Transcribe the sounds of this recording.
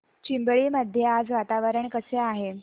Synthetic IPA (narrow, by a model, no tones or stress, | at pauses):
t͡ɕimbɭiːməd̪ʱjead͡zʋat̪aʋəɾəɳkəseaɦe